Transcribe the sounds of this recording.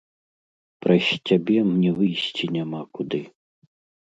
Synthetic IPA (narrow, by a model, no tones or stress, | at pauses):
pɾɐsʲt͡sʲabʲɛmnʲɛvɨjsʲt͡sʲinʲamakud̪ɨ